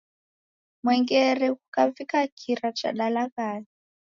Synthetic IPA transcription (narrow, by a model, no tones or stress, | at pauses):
mwɛŋɡɛrɛɣukavikakʰiɾat͡ʃa̰ɗalaɣaːɲi